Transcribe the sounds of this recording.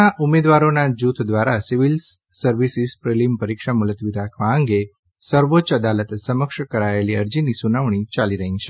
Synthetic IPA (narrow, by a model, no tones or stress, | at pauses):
aʔumed̪ʋaɾonad͡ʒut̪ʰd̪ʋaɾasiʋils | səɾʋisispɾelimpəɾikʃamulət̪ʋiɾakʰʋãəŋɡe | səɾʋot͡ʃəd̪alət̪səməkʃkəɾaeliəɾd͡ʒinisunaʋɳ̃it͡ʃaliɾəɦĩt͡ʃʰe